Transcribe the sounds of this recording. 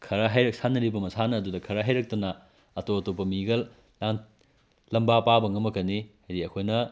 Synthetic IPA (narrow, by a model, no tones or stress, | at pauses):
kʰɐɾɐɦajɾɐk̚sanɐɾibɐmɐsanɐːdudɐkʰɐɾɐɦajɾɐk̚tɐnɐ | ɐtoɐtop̬ɐmiɡɐl | a | lɐmbapabɐŋɐmɐkɐnihajdiɐkʰojnɐ